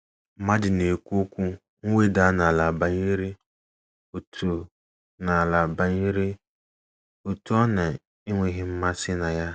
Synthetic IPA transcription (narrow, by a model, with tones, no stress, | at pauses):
m̩˦ma˦dɪ˨ne˨kʷu˦kʷu˦ | ŋ̩˦we˦da˨˦na˨la˨ba˨ɲe˦ɾi˦ | o˨tʰo˨ | na˨a˨la˨ba˨ɲe˦ɾe˦ | o˨tu˦ɔ˦na˨ | ɪ˦ŋʷe˦ɦɪ˦m̩˦ma˦sɪ˦na˨ja˦